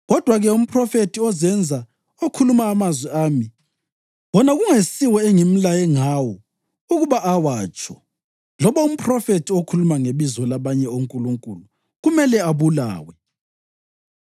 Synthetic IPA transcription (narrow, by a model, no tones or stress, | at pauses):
ɣɔd̥ʱwaɣɛum̩pʰrɔfetʰiɔzɛnd͡zʱa | okʰulumaːmazwɛaːmi | wɔnaɣuŋesiwɛɛŋim̩lajɛŋawɔ | uɣuβaʔawaːt͡ʃʰʼɔ̥ | lɔβaum̩pʰʼrɔfetʰiokʰulumaŋeβizɔlaβaɲɛoŋkʼuluŋkʼṵlu | ɣumɛlɛaβula̰ːwɛ